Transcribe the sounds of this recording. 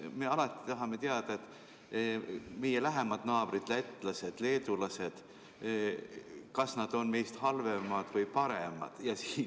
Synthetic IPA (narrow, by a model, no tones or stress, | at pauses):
me̞ɑlɑt̪ːˑi̥t̪ɑɦɑme̞t̪eɑd̪̥ɑet̪ːˑ | mejelæɦemɑd̪̥nɑːb̥ɾid̪̥læt̪ːˑlɑse̞d̪̥le̞ːd̪ulɑse̞d̪̥ | kɑsnɑd̪̥o̞nmejst̪hɑlvemɑd̪̥vɯjpɑɾemɑ̰d̪̥jɑsiːn